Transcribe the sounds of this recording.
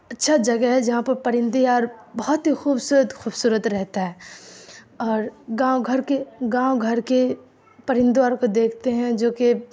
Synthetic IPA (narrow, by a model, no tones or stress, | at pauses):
ɐtːʃʰad͡ʒɐɡəɦɛd͡ʒɐɦãpɐɾpɐɾɪ̃nd̪iaːɾbɐɦɔt̪ɦixuːbsuːɾət̪xuːbsuːɾət̪ɾɛɦt̪aɦɛː | ɔːɾɡãːwɡʱɐɾkeɡãːwoɡʱɐɾke | pɐɾɪ̃nd̪aːɾkod̪eːkʰt̪eɦɛ̃d͡ʒoːke